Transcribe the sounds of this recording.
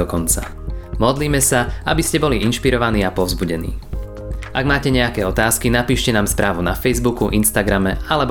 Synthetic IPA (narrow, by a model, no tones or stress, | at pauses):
ɔkɔnt͡sa̰ | mɔd̪liːmɛsaabiscɛbɔliinʃpiɾɔʋaniːapɔʊzbuɟɛnḭː | ʔaɡmaːcɛɲɛakɛːɔt̪aːskinapiːʃcɛnaːmspɾʔaːʋunafɛjzbukuʔinst̪aɡɾamɛalɛb